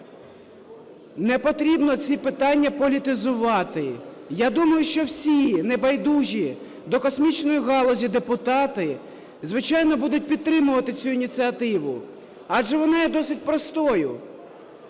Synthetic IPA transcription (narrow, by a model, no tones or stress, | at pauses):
nɛpɔt̪ɾʲibnɔt͡sʲipɪt̪ɑnʲːɐpɔlʲit̪ɪzʊʋɑt̪ɪjad̪umɐjʊʃt͡ʃɔwsʲinɛbɐjd̪uʒʲi | d̪ɔkɔsmʲit͡ʃnɔjiɦɑlˠɔzʲid̪epʊt̪ɑt̪ɪ | zʋɪt͡ʃɑjnɔbud̪ʊt̚ʲpʲid̪̚t̪ːɾɪmʊʋɐt̪ɪt͡sʲuinʲit͡s̪ʲiɐt̪ɪʋʊ | ɑʒɛʋɔnɑjɛd̪ɔsɪt̚ʲpɾɔst̪ɔjʊ